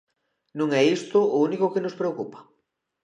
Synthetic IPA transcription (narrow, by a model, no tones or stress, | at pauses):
nũŋɛist̪ʊːunikʊkenʊspɾeokupɐ̥